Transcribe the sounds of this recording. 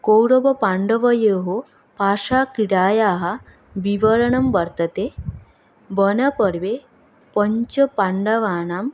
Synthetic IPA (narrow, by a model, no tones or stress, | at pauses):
kowɾɐbɐpaɳɖɐʋɐjeːɦo | paːʂaːkiɽaːjaːɦɐ | biʋɐɾɐɳɐmbɐɾt̪ɐt̪e | bənɐpɐɾʋe | pɐɲt͡ʃɐpaɳɖɐʋaːnaːm